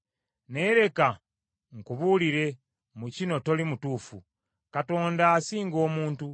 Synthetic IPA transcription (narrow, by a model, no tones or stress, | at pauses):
ne̞ɾe̞ka | ŋkuβuliɾe̞ | mucino̞to̞limutuːfṵ | kato̞ːndaːsiːŋɡo̞ːmuːntu